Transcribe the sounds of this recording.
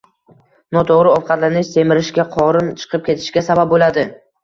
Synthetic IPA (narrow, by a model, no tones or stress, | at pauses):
nɒt̪ʰoʁɾɪɒfqʰɑt̪lanɪʃse̞mɪɾɪʃɡʲaqʰɒɾɪnt͡ʃʰɨ̥qʰɨp̚kʲe̞t̪ʰɪ̥ʃɡʲasabap̚bolad̪ɪ